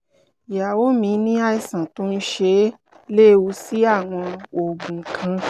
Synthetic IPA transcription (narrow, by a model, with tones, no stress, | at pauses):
ja˨wo˦mĩ˧˦nĩ˦a˧i˧sã˨to˦n̩˦ʃe˧˦ | le˦˨wu˧si˦a˦˨w̃ɔ̃˧o˨ɡ͡bũ˨kʰã˧